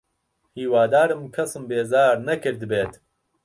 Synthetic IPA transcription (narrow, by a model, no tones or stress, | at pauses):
hiːwaːd̪aːɾɨmkʰɐsɨmbeːzaːɾnɐkɨɾd̪ɨbeːt̪